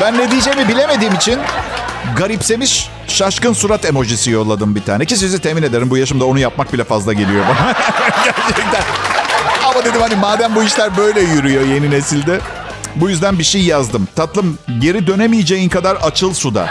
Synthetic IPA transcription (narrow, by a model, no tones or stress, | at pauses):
bænːe̞d̪ijd͡ʒɛjmibilʲe̞me̞d̪iːmit͡ʃʰinɡaɾipse̞miʃ | ʃaʃkɯnsuɾat̪e̞mo̞ʒisijo̞lˠːad̪ɯmbit̪ʰa̰ːnɛcis̬izit̪ʰemine̞d̪e̞ɾimbujaʃɯmd̪ao̞nujap̚mak̚bilʲɛfazlˠaɟelʲijobananɟæɾt͡ʃʰɛc̚t̪æn | amad̪e̞d̪imhanimaːd̪æmbuiʃlʲæɾbø̞jlʲɛjyɾyjo̞je̞nine̞silʲd̪ɛ | bujyzd̪ænbiʃejjazd̪ɯmt̪ʰat̪lˠɯmɟe̞ɾid̪ø̞ne̞mijed͡ʒejinkʰad̪aɾat͡ʃʰɯlˠsud̪a̰